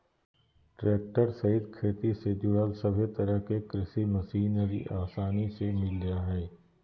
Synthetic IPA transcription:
ʈɾeːk̚ʈəɾsɐɪd̪kʰeːt̪ised͡ʒʊɽaːlsɐbʱet̪ɐɾəɦkekɾɪsimɐsiːnəɾḭʔaːsaːnisemɪlːijaɦɛː

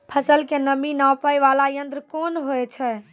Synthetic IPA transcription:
pʰəsəlkenəminãpəjʋalajənd̪ɾkonɦoɛt͡ʃʰɛ

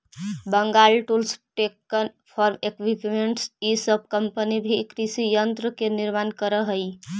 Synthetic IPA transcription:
bəŋɡalʈulsʈekːənpʰɔɾmekʋipmeɳʈsisəb̚ʱkəmpənibʱikɾisijənt̪ɾəkeniɾmankəɾəɦəj

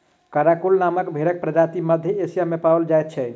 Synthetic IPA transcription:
kaɾakulnaməkbʱeɾək̚pɾəd͡ʒat̪iməd̪ʱjeesijamepabəld͡ʒajt̪̚t͡ʃʰɛ

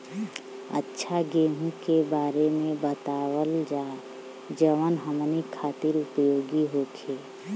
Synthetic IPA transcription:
ə̰tːʃʰaɡeːɦũkebaːɾemẽbət̪aːwəld͡ʒaː | d͡ʒəʋənɦəmnikʰaːt̪ɪɾʊpjoːɡiɦoːkʰeː

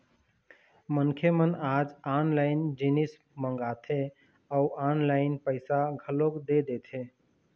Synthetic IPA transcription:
mənkʰemənad͡ʒanlaɪnd͡ʒinis | məŋɡat̪ʰe | auʔanlaɪnpəɪsaɡʱəlokd̪ed̪et̪ʰe

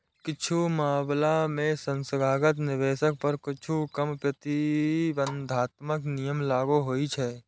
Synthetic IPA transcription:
kɪt͡ʃʰumaːblamẽsə̃nsəɡʱaːɡət̪nɪʋeːʃək̚pəɾkɪt͡ʃʰukəmpɾət̪ibə̃nd̪ʱaːt̪məknijəmlaːɡuɦoːit͡ʃʰɛ

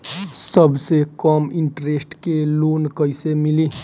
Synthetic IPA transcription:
səbʱsekəmɪ̃ɳʈɾesʈkeloːnkəɪsemili

